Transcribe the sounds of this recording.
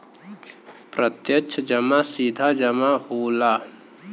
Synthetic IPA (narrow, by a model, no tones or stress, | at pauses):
pɾət̪jət͡ʃʰəd͡ʒəmasid̪ʱad͡ʒɐmãɦoːlaː